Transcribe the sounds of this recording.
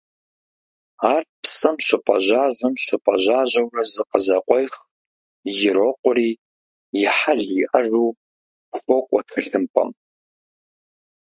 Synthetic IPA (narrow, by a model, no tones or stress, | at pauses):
aːrpsɐmɕʷɪpʼɐʑaːʒʷɐmɕʷɨpʼɐʑaːʑɐwɐzɨqəzɐqʷʼɔjx | jɪɾoqʷʊɾiː | jɪħaɮiʔɐruː | ɡʷxʷɔkʷʼɔtʰɐɬɨmpʼɐ̰m